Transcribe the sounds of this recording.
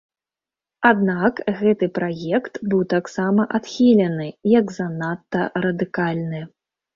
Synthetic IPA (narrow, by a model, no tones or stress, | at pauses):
ad̪nakɣɛt̪ɨpɾajɛkt̪bɨwt̪aksamɐʔat̪xʲilʲɐnɨjɐɡzɐnat̪ːɐɾɐd̪ɨkalʲnɨ